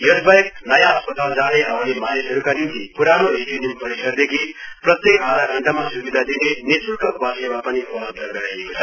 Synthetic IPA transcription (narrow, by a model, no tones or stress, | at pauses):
josbʌjʌk̚nʌjãɦʌspʌt̪ald͡zaneʔaunemanisɦʌɾukanint̪ipuɾanoesʈinimpʌɽisʌɾd̪ekʰiprʌt̪jekad̪akʰʌɳʈamasubid̪ʱad̪inenesukʌkbasemapʌnipʰʌsd̪ʱʌrɡaɾajekot͡sʰʌ